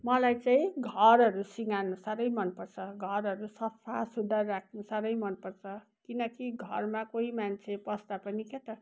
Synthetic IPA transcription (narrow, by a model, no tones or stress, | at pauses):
mʌlajt͡saĩɡʱʌɾɦʌɾusiŋanusʌɾʌjmʌnpʌrt͡sʰʌɡʱʌɾɦʌɾusʌpʰasud̪ʱʌrːakʰnusʌɾʌjmʌnpʌrt͡sʰʌ | kinʌkiɡʱʌrmakoɦimant͡sʰepʌst̪apʌniket̪ʌ